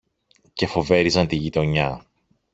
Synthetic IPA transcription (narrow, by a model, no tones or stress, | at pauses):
ce̞fo̞ve̞ɾizɐnt̪iʝit̪o̞ɲɐ